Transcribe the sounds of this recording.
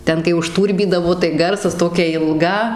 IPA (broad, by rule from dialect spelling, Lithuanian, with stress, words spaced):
ˈtʲɛn kɐɪ ʊʃˈtuːrʲbʲiːdɐʋoː tɐɪ ˈɡɐrsɐs ˈtoːkʲɛ ɪlˠˈɡɐ